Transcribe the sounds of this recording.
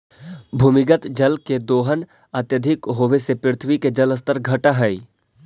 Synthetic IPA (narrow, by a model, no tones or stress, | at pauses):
bʱuːmɪɡət̪d͡ʒəlked̪oːɦən | ɐt̪jəd̪ʱɪkɦoːʋesepɪɾɪt̪ʰwiked͡ʒələst̪əɾɡʱɐʈaɦɛi